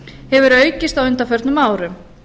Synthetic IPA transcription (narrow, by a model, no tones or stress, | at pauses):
hɛvʏɾœːɥcɪst̪awʏnt̪afœɾt̪nʏmaːwɾʏm